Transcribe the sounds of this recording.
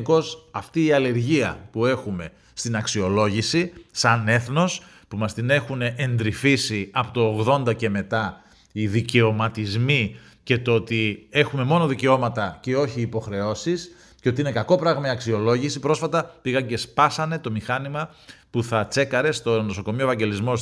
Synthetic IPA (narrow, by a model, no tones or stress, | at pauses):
ko̞sɐft̪iːɐle̞ɾʝiɐpue̞xume̞ | st̪inɐksio̞lo̞ʝisisɐne̞θno̞s | pumɐst̪ine̞xuneʔend̪ɾifisiɐpot̪oːɣðo̞nd̪ɐce̞me̞t̪ɐ | iðice̞o̞mɐt̪izmi | ce̞t̪oot̪ie̞xumemo̞noðice̞o̞mɐt̪ɐce̞o̞çiːpo̞xɾe̞o̞sis | ceot̪iinekɐko̞pɾɐɣmɐiɐksio̞lo̞ʝisipɾo̞sfɐt̪ɐpiɣɐɟe̞spɐsɐne̞t̪o̞mixɐnimɐ | puθɐt͡se̞kɐɾe̞st̪o̞no̞so̞ko̞miovɐɲɟe̞lizmo̞s